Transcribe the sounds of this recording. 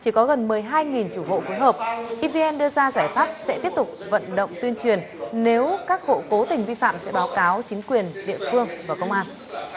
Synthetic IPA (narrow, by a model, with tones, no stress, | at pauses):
t͡ɕi˧˩kɔ˨˦ɣə˨˩nmɨ˨˩əjɦaː˧jŋi˨˩nt͡ɕu˧˩ɦo̰˧˨fo˨˦jɦəː˨˩p̚ʔi˧vi˧ʔɛ˧nɗɨ˧əzaː˧zaː˧˩jfaː˦˥p̚sɛ̰˧˥t̪i˦˥əp̚t̪ʊ˨˩k͡p̚və̰˧˨nɗə̰˧˨wŋ͡mt̪wi˧ənt͡ɕwi˨˩ən | ne˨˦wkaː˦˥k̚ho̰˧˨ko˨˦t̪ï˨˩ŋ̟vi˧fa̰ː˧˨msɛ̰˧˥ɓaː˨˦wkaː˨˦wt͡ɕï˨˦ŋ̟kwi˨˩ənɗḭ˧˨əfɨ˧əŋvaː˨˩kə˧wŋ͡mʔaː˧n